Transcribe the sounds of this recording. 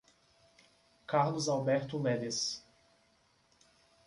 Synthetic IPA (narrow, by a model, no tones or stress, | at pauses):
kaɾlʊzawbɛɾt̪ʊlɛd̪ɪs